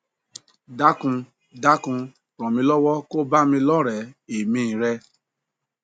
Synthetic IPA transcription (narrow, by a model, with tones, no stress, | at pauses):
da˦kũ˧ | da˦kũ˧ | ɾɔ̃˨mĩ˧˦lɔ˦wɔ˦ko˦ba˦mĩ˧lɔ˦ɾɛ˨e˨mĩ˦˨ɾɛ˧˦